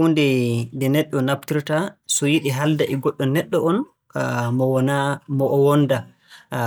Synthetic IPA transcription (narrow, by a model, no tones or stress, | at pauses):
undɛndɛnɛɗːɔnap̚tiɾtasɔjiɗiɦaldaʔɛɡɔɗːɔnɛɗːɔɔn | mɔwɔnamɔʔɔwɔnda